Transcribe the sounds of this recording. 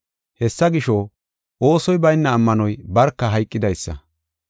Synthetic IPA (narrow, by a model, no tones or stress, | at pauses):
hɛsːɐɡɪʃo | ʔo̞ːsɔjbɐjnːɐːmːɐnɔjbɐɾkːɐɦɐjkʼːɪd̪ɐjsːɐ̰